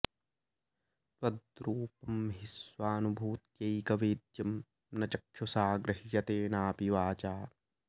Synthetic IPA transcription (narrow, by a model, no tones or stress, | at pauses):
ɐd̪ɾuːpɐmɦisʋaːnubʱuːt̪̚keikɐʋeːd̪jɐm | nɐt͡ʃɐkʃosaːɡɾɪɦjɐt̪eːnaːpiʋaːt͡ʃaː